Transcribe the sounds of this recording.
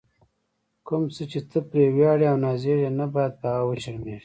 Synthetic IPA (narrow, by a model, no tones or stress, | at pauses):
kʊmt͡sət͡ʃet̪əpɾewjɑɽeawnɑːzeɾenabɑjad̪̚pɑɣawət͡ʃaɾmeʐi